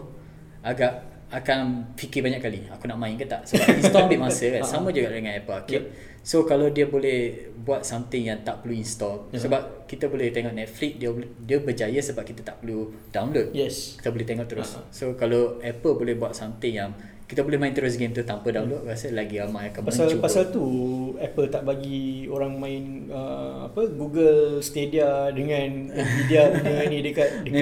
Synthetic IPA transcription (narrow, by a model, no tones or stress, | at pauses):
aɡaʔ | akanfikɪbaɲakːaliakunaʔmãɪ̃nkət̪aʔsəbapinsst̪ɔbimasəkansamə̃d͡ʒuɡaʔdəŋãnɛpəlakɛʔ̚ | sokalawdiəbolɛh | buat̪̚samt̪ɪŋjaŋt̪aʔpəluinst̪ɔsəbap̚kit̪əbolɛht̪eŋɔʔnɛt̪̚flik̚diədiəbəd͡ʒajəsəbap̚kit̪at̪aʔpəlu | dawnlod̚jɛki̥t̪əbolɛht̪eŋɔʔt̪əɾʊssokalaɛpəlbolɛhbuat̪̚samt̪ɪŋjaŋ | kit̪abolɛhmãĩnt̪əɾʊs̬ɡemt̪ut̪ampədaw̃nlod̚ɣasəlaɡiamajakanmaəsalt͡ʃupasalt̪uɛpəlt̪aʔbaɡioɾaŋmãɪn | əa̰pəɡuɡəlst̪ediadəŋãnəmidianəanĩdəkat̪̚